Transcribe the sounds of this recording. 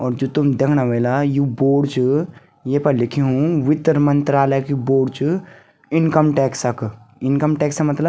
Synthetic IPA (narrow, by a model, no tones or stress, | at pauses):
ɔːɾd͡ʒot̪umd̪ekʰnaʋelajuboːɽt͡ʃu | jepəɾlikʰeɦũʋɪt̪ːəɾmənt̪ɾaːləkiboːɽt͡ʃu | inkəmʈɛksəkinkəmʈɛːksəmɐt̪lə